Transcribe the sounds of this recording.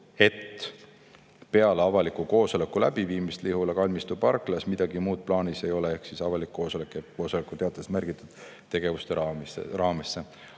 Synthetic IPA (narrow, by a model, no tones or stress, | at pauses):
e̞t̪ː | pe̞ɑleɑvɑlikːˑuko̞ːso̞le̞kːˑulæb̥iviːmist̪liɦulɑkɑlʲmist̪ub̥ɑrkːˑlɑsmid̪̥ɑɡimuːd̪̥̚plɑːnise̞jo̞lee̞hksisɑvɑlikːo̞ːsolekːˑeko̞ːso̞lekːut̪e̞ɑt̪ˑːesmærɡ̥it̪ːˑud̪̥ | t̪e̞ɡ̥e̞vust̪eɑrɑːmesːe